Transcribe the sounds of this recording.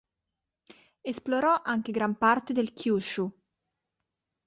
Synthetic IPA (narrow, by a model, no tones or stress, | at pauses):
esploɾɔʔaŋk̟eɡɾampart̪ed̪elkʰjuːt͡ʃu